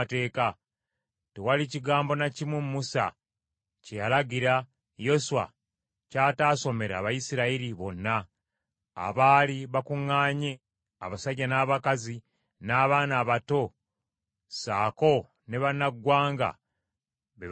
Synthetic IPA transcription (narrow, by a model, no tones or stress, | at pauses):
te̞ːka | tewaliciɡaːmbo̞nacimwummusa̰ | cejalaɡiɾa | jo̞suwa̰ | caːtaːso̞me̞ɾa̰ːβajisiɾaiɾiβo̞nːa̰ː | βaːliβakuŋːaːɲe̞ | aβasaɟːanaːβakazi | naːβaːnaːβato̞ | saːko̞ | ne̞βanaɡwaːŋɡa̰ | βe